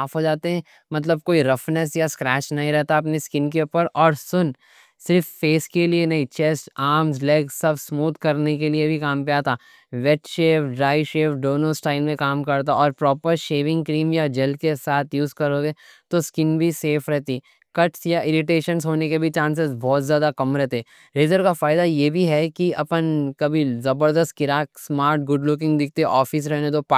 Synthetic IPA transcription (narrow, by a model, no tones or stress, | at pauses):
aːpɦoːd͡ʒaːt̪eɦɛ̃ | mɐt̪̬ləb̚koːiɾɐfnɛs̬jaskɾɛːt͡ʃnɐɦĩɾɛɦt̪aɐpniskɪnkeʊpəɾʔɔːɾsʊn | sɪɾfːeːskelienɐɦĩt͡ʃɛsʈaːɾmzlɛːksɐbsmuːt̪kɐɾnekeliebʱikaːmpijat̪ʰaː | ʋɛʈʃeːʋɖɾaːɪʃeːʋɖoːnosʈaːɪlmẽkaːmkɐɾt̪̬aɔːɾpɾɔːpəɾʃeːʋɪ̃ŋɡkɾiːmjad͡ʒɐlkesaːt̪ʰjuːzkɐɾoːɡet̪oskɪnbʱiseːfʰɾɛɦt̪iː | kɐʈsjaʔɪɾɪʈeːʃənsɦoːnekebʱit͡ʃãːnsezbɔːt̪zjaːd̪akɐmɾɛɦt̪eɛ | ɾeːzəɾkafaːɪd̪ajebʱiɦɛkiɐpənkɐbʱizɐbəɾd̪əst̪̚kɪɾaːksmaːɾʈ̚ɡʊɖlʊkɪ̃ŋɡd̪ɪk̚ʰt̪eʔɔːfɪs̬ɾɛɦnet̪opː